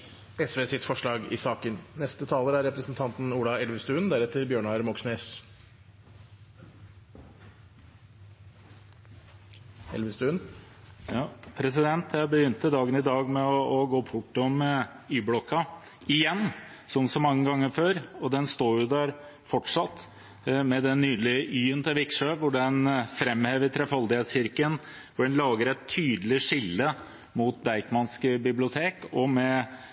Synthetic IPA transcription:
ɛsʋeːsɪt̪fɔʂɭɑːɡɪ̰sɑːkənnɛst̪ət̪ʰɑːləɾæɾɛpɾəsnt̪ʰɑnt̪n̩uːlɑɛlʋəst̪ʉːənd̪æɾɛt̪ːəɾbjøːɳɑɾmɔksneːs | ɛ̰lʋəst̪ʉːn | jɑːpʰɾɛs̬ɪd̪ɛnt̪ʰjæɪbəjʏnt̪əd̪ɑːɡənɪd̪ɑːɡmɛɔɔɡoːpʰʊʈːɔmə | yːblɔkːɑ | ɪjɛnː | sɔmsɔmːɑŋːəɡɑŋːəɾføːɾɔd̪ɛnst̪oːɾjʊd̪æɾ | fɔʈʂɑt̪ː | mɛd̪ɛnːyːlɪʔyːənt̪ʰəʋɪkʂøːʋʊɖɛnfɾɛmːheːʋət̪ʰɾɛfɑld̪ɪheːt̪sɕɪɾkən | ʋʊɖɛnlɑːɡəɾæt̪ʰːyːd̪əlɪʂɪlːə | mut̪̚d̪æɪkmɑnskbɪblɪʊt̪ʰeːkɔmɛ

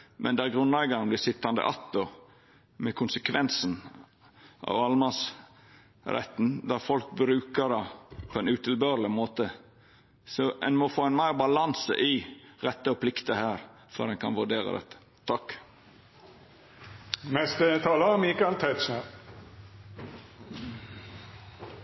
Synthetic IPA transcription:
mʔɛ̰nd̪ɛæɾɡɾʉnlɛɡɑnɔmd̪ɛsɪt̪ːɑnd̪ə̰ʔɑt̪ːɔ | mɛkʰʊnsəkʰʋɛnsən | ʔɑ̰ʋɑlmɑs | ɾɛ̰t̪ːn̩d̪æɾfɔlk̚bɾʉːkəd̪ɑpʰɔɛnʉːt̪ʰɪlbøːɾlɪmoːt̪ə | sɔʔɛnmɔfoːɛnmæɪɾbɑlɑnsə̰ʔɪɾɛt̪ːəɔpʰlɪkt̪əhæːɾ | fœ̰ɾɛnkʰɑnʋʉɖeːɾə̰d̪ɛ̰t̪ːə̥ | t̪ʰɑkː | mɛst̪ət̪ʰɑːləmiːkɑlt̪ʰæɪt̪ʃnə

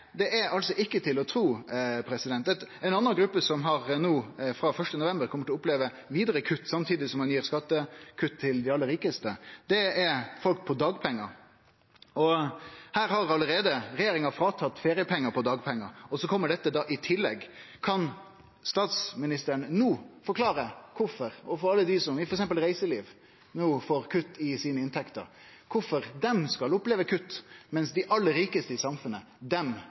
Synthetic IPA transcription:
d̪ɛʔæɾɑlsɔʔɪkːət̪ʰɪlɔt̪ʰɾuːpʰɾɛsɪd̪ɛnt̪ːɛt̪ɛɪnɑnːɑnɡɾʉpːəsɔmɦɑɾnuːfɾɑfœʂʈənʊʋɛmbəɾkʰɔmət̪ɔʊpleːʋə | ʋiːd̪əɾəkʰʉt̪ːsɑmt̪ʰiːd̪ɪsɔmɑnjiːɾskɑt̪ːəkʰʉt̪ʰːɪld̪ɛɑlːəɾiːkəst̪əd̪ɛɛɾfɔlk̚pʰɔd̪ɑːɡpʰɛŋːɑ | ɔhæːɾhɑɾɑlːəɾeːd̪əɾɛjeːɾɪŋɑfɾɑːt̪ʰɑt̪ːfeːɾɪəpʰɛŋːəpʰɔd̪ɑːɡpʰɛŋːɑɔsɔkʰɔmːəɖɛt̪ːəd̪ɑːʔɪt̪ʰɪlːɛ̰ɡkʰɑn | st̪ɑːt̪smɪnɪst̪əɾəɳnuːfɔɾkʰlɑːɾəkʰʊfɔɾɔfɔɾɑlːəd̪ɪsɔmɪfɔɾɛksɛmpəlɾæɪsəliːʋ | nuːfoːɾkʰʉt̪ːɪsiːnəɪnt̪ʰɛkt̪ə̰ɾ | kʰʊfɔɾd̪ɛmskɑlʊpleːʋəkʰʉt̪ːmɛnsd̪ɪʔɑlːəɾiːkəst̪əɪsɑmfʉnə | d̪ɛm

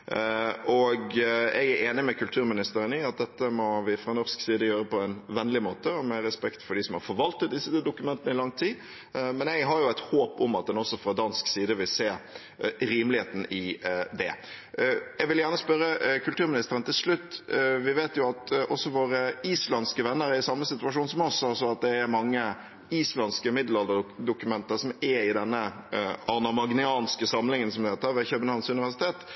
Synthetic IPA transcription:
ʔɔɡɛ̰ɡæɾeːnɪmɛkʰʉlt̪ʰʉːɾmɪnɪst̪əɾənɪɑt̪̚d̪ɛt̪ːəmɔʋɪfɾɑnɔɾsksiːd̪əjøːɾəpɔɛnʋɛnːlɪmoːt̪əɔmɛɾɛspɛkt̪fɔɖɪsɔmhɑɾfɔɾʋɑlt̪ət̪̚d̪ɪsːəd̪ʊkʉmɛnt̪ənəɪlɑŋt̪ʰiː | mɛnɛɡɦɑɾjʊæɪt̪hoːpʊmɑt̪̚d̪ɛnɔsːɔfɾɑd̪ɑnsksiːd̪əʋɪlseː | ɾiːmlɪheːt̪n̩ɪd̪ɛ | jɛɡʋɪljæːʁnəspœɾəkʰʉlt̪ʉːɾmɪnɪst̪əɾənt̪ʰɪlʂlʉt̪ːʋɪʋeːt̪jʊɑt̪ʔɔsːɔʋoːɾəiːslɑnskəʋɛnːəɾæɪsɑmːəsɪt̪ʉʋɑʂuːnsɔmɔsːɑsɔɑt̪̚d̪ɛːɾmɑŋːə | iːslɑnskəmɪd̪l̩ɑld̪əd̪ʊkʉmɛnt̪əsɔmɛɪd̪ɛnːəɑʁnɑmɑɡnɪɑːnskəsɑmlɪŋənsɔmd̪hɛːt̪əɾʋeçœbənhɑʋnsʉnɪʋæʂɪt̪ʰeːt̪

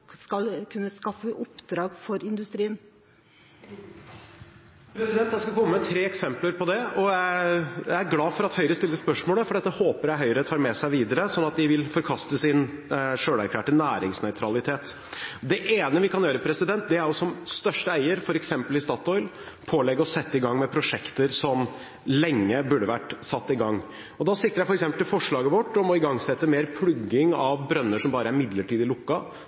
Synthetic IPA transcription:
skɑlkʰʉnːəskɑfəʔʊpd̪ɾɑːɡfɔɾɪnd̪ʉst̪ɾiːən | pʰɾɛsɪd̪ɛnt̪d̪æɪskɑkʰɔmːəmət̪ʰɾeːɛksɛmpləɾpʰɔd̪ɛɔjæjæɪæɾɡlɑːfɔɾɑt̪hœʏɾəst̪ɪlːəspœʂmoːləfɔɖɛt̪ːəhoːpəɾæɦœʏɾət̪ʰɑːɾmɛsæɪʋiːd̪əɾəsɔnːɑt̪̚d̪ɪʋɪlfɔɾkʰɑst̪əsɪnʂøːɽæɾkʰlæːʈənæːɾɪŋsnœʏt̪ʰɾɑlɪt̪ʰeːt̪ | d̪ɛʔeːnəʋɪkʰɑnjøːɾəpʰɾɛsɪd̪ɛnt̪̚d̪ɛæɾjɔsɔmst̪œʂʈəæɪəɾfɔɾɛksɛmpəlɪst̪ɑːt̪ɔʏl | pʰoːlɛɡːəɾɔsɛt̪ːəɪɡɑŋːmɛpʰɾʊʂɛkt̪əɾsɔm | lɛŋːəbʉɖəʋæʈsɑt̪ːɪɡɑŋː | ɔd̪ɑsɪk̚t̪əɾjæɪfɾɛksɛmpəlʰɪlfɔʂɭɑːɡəʋɔʈːɔmɔɪɡɑŋsɛt̪ːəmeːɾpʰlʉɡːɪŋɑʋbɾœnːəʂɔmbɑːɾəæɾmɪd̪ləʈʰiːd̪ɪlʊkːɑ

